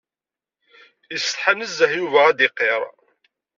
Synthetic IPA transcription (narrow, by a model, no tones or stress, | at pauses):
jəsə̥t̪ħanəzːəhjuvææd̪ɪqːeɾˤ